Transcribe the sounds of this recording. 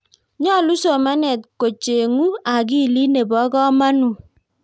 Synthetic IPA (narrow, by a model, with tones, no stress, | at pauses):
ɲɔ˦˨lu˦so˨ma˦nɛ˨t̚ko˨t͡ʃe˨ŋu˦a˨k̬i˦˨li˦ne˨bɔ˨˦kɔ˦ma˦nu˨